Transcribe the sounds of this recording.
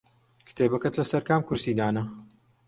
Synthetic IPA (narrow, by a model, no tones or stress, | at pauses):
kʰɨ̥t̪ʰeːbɐkɐt̪lɐsɐɾkaːmkʊɾsiːd̪aːnɐ